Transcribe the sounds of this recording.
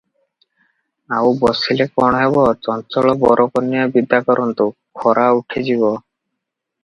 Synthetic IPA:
awbɔsilekɔɽ̃ɔɦeβɔt͡ʃɔnt͡ʃɔɭɔbɔɾʔɔkɔnːiɔbid̪akɔɾɔnt̪ukʰɔɾʔauʈʰed͡ʑibɔ

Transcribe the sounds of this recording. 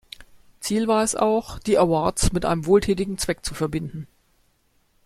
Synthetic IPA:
t͡siːlvaːɐɛsa̰ʊxd̥iːʔawaɐtsmɪtʔa̰ɪnəmvoːltʰɛːtɪɡŋ̩t͡sv̥ɛk̚t͡sufɛɐbɪndn̩

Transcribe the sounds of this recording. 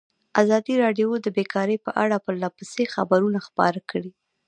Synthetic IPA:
azɑd̪iɾɑɖjod̪əbekɑɾəjpəʔaɽapəɾlɑpəsexa̰baɾunaxpɑ̰ɾakɽi

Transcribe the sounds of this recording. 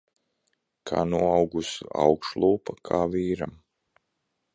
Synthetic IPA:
kʰa̰ːnuɔawɡusua̰wkʃlˠuːpakʰaːviːɾa̰m

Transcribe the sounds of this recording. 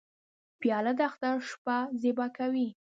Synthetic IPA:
pjɑlad̪əaxt̪aɾʂpazebakawi

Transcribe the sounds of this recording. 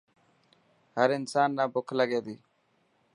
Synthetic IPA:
həɾɪnsaːnːabʊkʰlɐɡeːd̪i

